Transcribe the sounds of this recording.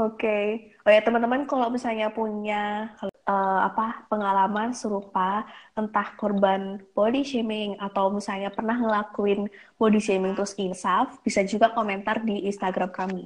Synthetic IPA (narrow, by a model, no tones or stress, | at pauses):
okeojat̪əmant̪əmənkalawmisalɲapuɲa | əːa̰papəŋalamansəɾupaʔənt̪ahkɔrbanpodiʃemɪŋat̪awmisalɲapərnahŋəlakuɪn | podisemɪŋt̪əɾʊsinsafb̥isad͡ʒuɡakomɛnt̪ardiːnst̪aɡɾamkami